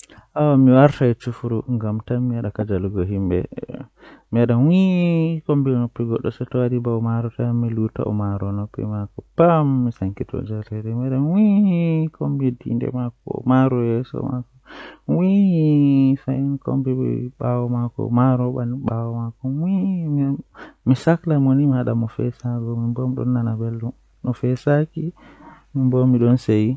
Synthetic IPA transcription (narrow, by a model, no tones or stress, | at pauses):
ʔawamiwaɾtaɛt͡ʃufuɾuŋɡamtanmiwaɗakad͡ʒaluɡɔɦimbɛ̰ | miwaɗawikombinopːiɡɔɗːɔsɛtɔwadibawmaɾɔtajamːiluta̰ʔɔmaɾɔnɔpːḭmakɔpamːisaŋkitɔ̰d͡ʒaɾɛɾɛmiaɗanwihikombidḭndɛ̰makɔ̰maɾɔjɛsɔ̰makɔwihifajinkɔ̰mbibɛ̰ɓawɔmakɔ̰maɾɔɓaniɓawɔmakɔwimmisaklamonimihaɗamɔfɛsaɡɔmimbɔmɗɔ̰nːanabelːum | ɗɔfɛsaki | mimbɔmːiɗɔnseji